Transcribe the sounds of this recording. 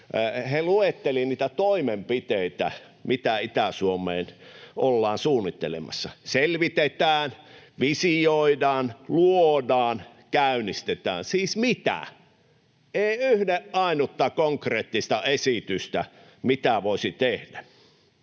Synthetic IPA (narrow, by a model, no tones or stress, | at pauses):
heluet̪ːeliniːt̪æt̪oimempit̪eit̪æ̰ | mit̪æit̪æsuomˑeːnʔolːɑːnsuːnːit̪ːelḛmɑ̰sːɑselʋit̪et̪æːnʋisioidɑːnluodɑːn | kæynist̪et̪æ̰ːnsiːsmit̪æ̰ | eˑiyhdeʔʔɑˑinut̪ːɑkoŋkreːt̪ːist̪ɑesit̪yst̪æ̰ | mit̪æʋoˑisit̪ehdæ